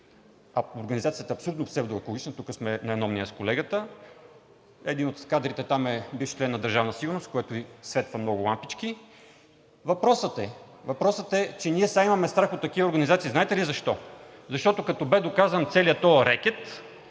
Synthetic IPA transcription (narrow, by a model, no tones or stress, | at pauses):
ɐoɾɡɐnizat̪siət̪ɐɐpsolut̪nofsɛbd̪oɛkolˠʊɡit͡ʃnət̪ukəsmɛnɐɛnɔmniəskolɛɡət̪ə | ɛd̪inot̪kad̪ɾit̪ɛt̪amɛbifʃi̥t͡ʃlɛnːɐd̪əɾʒavnəsiɡʊɾnost̪̚koɛt̪ʊisvɛt̪vəmnɔɡʊlˠampit͡ʃki | vɐpɾɔsət̪ɛ | vɐpɾɔsət̪ɛt͡ʃɛniɛsaimɐmɛst̪ɾaxot̪ːɐk̟ivəoɾɡɐnizat̪sizaɛt̪ɛlizɐʃt̪ɔzɐʃt̪ɔt̪okɐt̪ɔbɛd̪okazənt̪sɛliət̪ɔɾɛk̟ɛt̪